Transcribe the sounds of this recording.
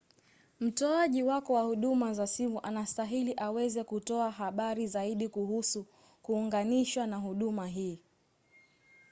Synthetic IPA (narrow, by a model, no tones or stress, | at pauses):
m̩tɔaʄiwakɔwahuɗumazasivuʔanastaɦiliʔawɛzɛkutɔaɦaɓaɾizaiɗikuhusu | kuːŋɡaniʃwanaɦuɗumaɦiː